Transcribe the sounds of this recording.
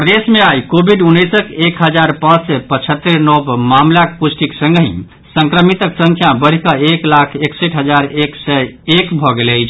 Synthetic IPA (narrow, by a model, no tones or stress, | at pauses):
pɾəd̪esmeajkobʱiɖunːəsəkekɦəd͡ʒaɾpãt͡ʃsɛpət͡ʃʰət̪ːəɾnɔbmamlakpusʈiksə̃ŋɡɦḭ̃ | səŋkɾəmit̪əksə̃ŋkʰjabəɽ̤ikəeklakʰekseʈʰɦəd͡ʒaɾeksɛekbʱɔɡelət͡ʃʰ